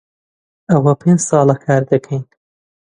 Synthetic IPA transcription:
ʔɐwɐpʰeːnd͡ʒsɑːlɐkʰaːɾd̪ɐkʰɛjn

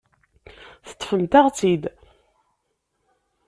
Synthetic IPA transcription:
θə̥t̪ˤːfəmt̪æʁt͡sid̪

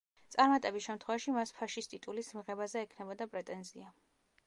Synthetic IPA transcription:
t̪sʼaɾmat̪ʼɛbisʃɛmt̪ʰχwɛvaʃimaspʰaʃist̪ʼit̪ʼulismiʁɛbazɛːkʰnɛbɔd̪apʼɾɛt̪ʼɛnzia

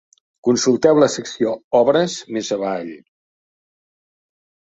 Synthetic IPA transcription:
kunsulˠt̪ɛwləsəksioɔβɾəzmezəβaʎ

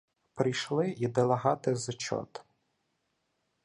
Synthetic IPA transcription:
pɾɪjʃlˠɪid̪elˠɐɦɑt̪ɪzt͡ʃɔ̰t̪

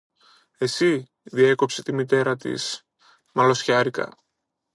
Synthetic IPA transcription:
e̞si | ðie̞ko̞pse̞t̪imit̪e̞ɾɐt̪ḭs | mɐlo̞sçɐɾikɐ̰

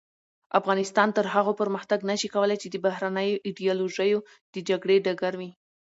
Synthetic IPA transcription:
ʔafɣɑnɪst̪ɑnt̪əɾɦaɣopəɾməxt̪aɡnaʃikawəlajt͡ʃed̪əbaɦɾanəjoʔiɖijɑloʒəjo | d̪̥əd͡ʒaɡɽeɖaɡaɾwi

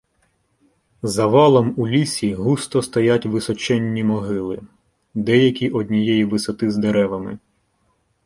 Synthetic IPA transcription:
zɐʋɑlˠɔmulʲisʲiɦust̪ɔst̪ɐjatʲʋɪsɔt͡ʃɛnʲːimɔɦɪlˠɪ | d̪ɛjɐkʲiʔɔdʲnʲijɛjiʋɪsɔt̪ɪzd̪eɾɛʋɐmɪ̰

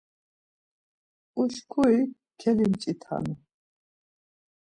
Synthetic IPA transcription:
uɬkʰui | kʰɛlimt͡ʃʼit̪ʰa̰ni

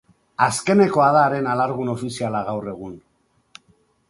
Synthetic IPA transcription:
aske̞ne̞ko̞aðaːɾe̞nalaɾɣuno̞fisialaɣawre̞ɣ̞un

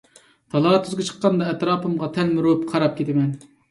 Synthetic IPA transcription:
t̪ʰɑlˠɑːt̪ʰyzɡʲɪt͡ʃʰə̥qːɑnd̪ɑɛt̪ɾɑːpɨmʁɑt̪ʰɛlmɪɾopqʰɑɾɑp̚kʲʰet̪ʰɪmɛn

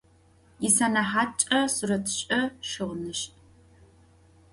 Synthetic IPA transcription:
ɪsanɐħaːt͡ʃʼɐsurɐtʰɕʼɐʃɨʁnɨɕtʼ

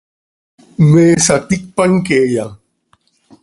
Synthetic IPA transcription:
meːsat̪ik̚paŋkeːja

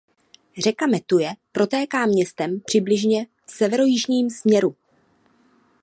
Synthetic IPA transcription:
rɛkamɛt̪ujɛpɾo̞t̪ɛːkaːmɲɛst̪ɛmpr̝̥ɪblɪʒɲɛ | fsɛvɛɾo̞jɪʒɲiːmsmɲɛɾu

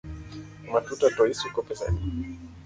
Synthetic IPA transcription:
matutatɔisukɔpɛsɛ̰ni

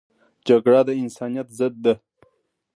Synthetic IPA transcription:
d͡ʒaɡɽad̪əɪnsɑnijat̪zəd̪̚ːa

